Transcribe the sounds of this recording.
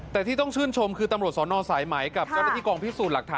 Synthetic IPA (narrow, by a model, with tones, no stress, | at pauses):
t̪ɛː˨˩t̪ʰiː˥˩t̪ɔ˥˩ŋt͡ɕʰɯː˥˩nt͡ɕʰo˧mkʰɯː˧t̪a˧mɾu˨˩t̪̚sɔː˩˦nɔː˧saː˩˦jmaː˩˦jka˨˩p̚t͡ɕjɔː˥˩na˧˥˩iː˥˩kɔː˧ŋpʰi˦˥suː˨˩t̪la˨˩k̚t̪ʰaː˧